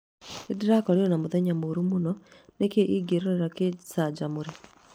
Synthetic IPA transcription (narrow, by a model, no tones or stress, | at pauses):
ediɾakɔɾeɔnamuðɛɲamoɾumunɔnekeʔiɡeɾeɾakesad͡ʒamuɾe